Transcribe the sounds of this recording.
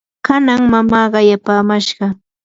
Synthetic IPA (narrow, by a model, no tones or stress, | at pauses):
kanaŋmamɑːɢɑjapaːmaʃɢɑ